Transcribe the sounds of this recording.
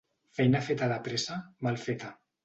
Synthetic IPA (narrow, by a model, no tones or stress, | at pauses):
fɛjnafet̪aðapɾesamalˠfet̪a